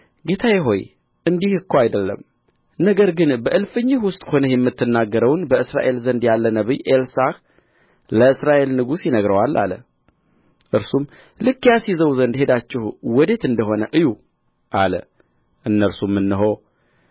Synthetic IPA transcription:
ɡe̞t̪ʰajɛɦo̞j | ʔɨnd̪ihɨkːoajd̪əlːə̰m | nəɡəɾɡɨnbəʔɨlfɨɲːɪhwʊst̪ʼho̞nəjɛmːɨt̪ːɨnːaɡːəɾəwnbəɨsɾa̰ʔe̞lzənd̪jalːənəβɨjʔelsak | ləɨsɾaʔe̞lnɨɡusjɪnəɡɾəwalːa̰lə̰ | ʔɨɾsum | lɨkːjasizəwzənd̪he̞d̪at͡ʃːɪhwɔd̪e̞t̪ɨnd̪əɦo̞nəʔɨju | ʔalə̰ | ʔɨnːəɾsumːɨnːɨɦo̞

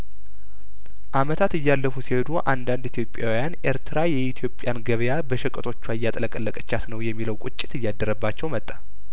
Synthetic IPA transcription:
ʔamət̪ʰat̪ɨjːalːəfusihed̪uʔand̪and̪it̪ʰjo̞pʼjawijane̞ɾt̪ʰɨɾajɛit̪ʰjo̞pʼːjanɡəβjabəʃɛkʼət̪ʰo̞t͡ʃːuajːat̪ʼələkʼəlːəkʼət͡ʃːasnəwjɛmːiləwkʷʼʊt͡ʃʼːɪ̥t̪ɨjːad̪ːəɾəbːat͡ʃːɛwmət̪ʼːḁ

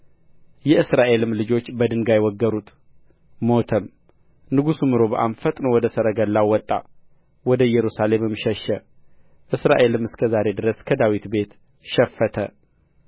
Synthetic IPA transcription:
jɛɨsɾaʔe̞lɨmlɨd͡ʒo̞t͡ʃːbəd̪ɨŋɡajwɔɡːəɾut̪ | mo̞t̪ʰəm | nɨɡusumɨɾo̞bəʔamfət̪ʼnowɔd̪əsəɾəɡəlːawɔt̪ʼːa̰ | wɔd̪əjɛɾusale̞mɨmʃɛʃə | ʔɨsɾa̰ʔe̞lɨmɨskʰəzaɾe̞d̪ɨɾəskʰəd̪awit̪be̞t̪ | ʃɛfːət̪ʰə̰

